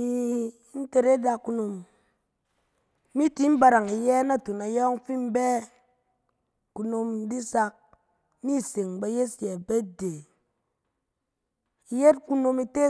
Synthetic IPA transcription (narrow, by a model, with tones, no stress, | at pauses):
i˦ | n̩˦te˦ɾe˦da˦kːu˧˦no˧m˦ | mi˦ti˦m̩˦ba˨ɾa˨ŋi˨jɛ˦na˦˨tu˨na˨jɔ˦ŋ˦fi˦m̩˦bɛ˦ | ku˨no˧m˦di˦sa˦k̚ | mi˦˨se˨ŋba˨je˦sɛ˨be˦de˨ | i˨je˦t̚ku˦no˧mi˦te˦